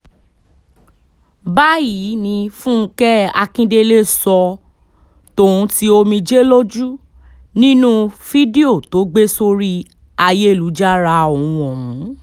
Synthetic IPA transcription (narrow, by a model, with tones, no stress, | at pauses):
ba˦ji˨˦nĩ˧fũ˦˧˦kɛ˦a̰˧kĩ˦de˧le˦˨sɔ˧ | to˨ɾũ˧˦ti˦o˧mĩ˧d͡ʒe˦lo˦d͡ʒu˦ | nĩ˦nũ˦fi˦di˦o˦˨to˨˦ɡ͡be˦so˧ɾi˦ | a˧je˦˨lu˨˦d͡ʒa˦ɾa˧o˨ũ˨ɔ̃˨mũ˨˦